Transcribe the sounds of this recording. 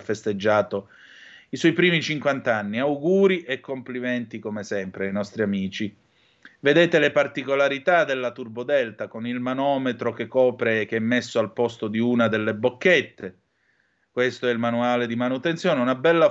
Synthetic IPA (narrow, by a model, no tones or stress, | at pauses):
fːest̪ed͡ʒːaːt̪o | iswɔjpɾiːmit͡ʃiŋkwant̪anːiawɡuːɾiʔekːompliment̪ikomesɛmpɾeajnɔst̪ɾiamiːt͡ʃi | ved̪eːt̪elepart̪ikolaɾit̪ad̪elːat̪urbod̪ɛlt̪akonilmanɔːmet̪ɾokekːɔːpɾek̟eɛmːesːoalpɔst̪od̪iunad̪elːebokːet̪ːe | kwest̪oɛilmanuaːled̪imanut̪ent̪sjoːneunabɛlːa